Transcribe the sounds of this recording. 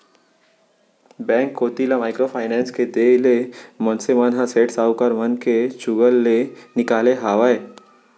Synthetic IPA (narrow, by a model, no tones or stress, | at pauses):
bɛ̃ːŋkːoːt̪ilamaːɪkɾopʰaːɪnɛ̃ːnsked̪eːlemɔnseʋanɦãseːʈsaːukəɾʋɐnket͡ʃʊɡəlːenɪkaːleɦaːʋae